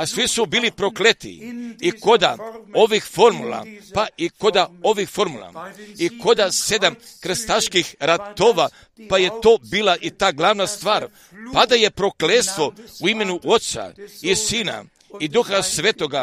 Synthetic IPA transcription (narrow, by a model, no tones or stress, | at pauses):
asʋisubiːlipɾo̞klet̪ḭiko̞d̪a̰o̞ʋixfo̞ɾmula̰paʔiko̞d̪ao̞ʋixfo̞ɾmulˠa̰iko̞d̪ase̞d̪amkɾst̪aʃkixɾat̪o̞ːʋa | paje̞t̪o̞ːbiːlˠaʔit̪aːɡlˠaʋnast̪ʋaːɾ | pad̪aje̞pɾo̞klet̪st̪ʋo̞uime̞nuʔo̞t̪sa̰isiːna̰ | id̪uxasʋeːt̪o̞ɡa